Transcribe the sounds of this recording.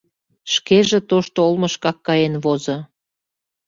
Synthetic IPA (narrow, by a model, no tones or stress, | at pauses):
ʃkeʒĕt̪oʃt̪oolməʃkɑkːɑjenβozɤ̆